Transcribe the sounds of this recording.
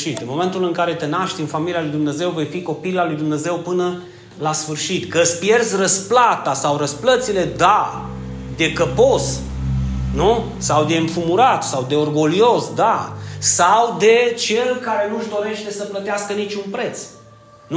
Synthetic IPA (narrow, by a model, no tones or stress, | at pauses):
ʃit̪ɨnmo̞me̞nt̪ulɨŋkaɾe̞t̪e̞naʃt̪ʲɨnfamilialujd̪umne̞ze̞wve̞jfiko̞pilalujd̪umne̞ze̞wpɨnə | lasfɨrʃit̪kəspje̞rzʲrəsplat̪asawɾəsplət̪sile̞d̪a | d̪e̞kəpo̞s | nu | sawd̪e̞ɨɱfumuɾat̪sawd̪e̞orɡo̞lio̞sd̪asawd̪e̞t͡ʃe̞lkaɾe̞nuʒd̪o̞ɾe̞ʃt̪e̞səplət̪easkənit͡ʃunpɾe̞t̪s | n